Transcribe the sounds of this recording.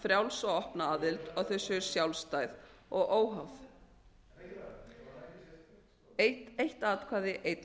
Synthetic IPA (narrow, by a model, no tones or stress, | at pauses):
fɾjawlsɔɣɔhpnaaːðɪlt̪ɔɣθœsːʏɾ̥sjawlst̪aːjðɔɣʔoːwɦawθ | ejht̪aːt̪kʰaːðɪʔejt̪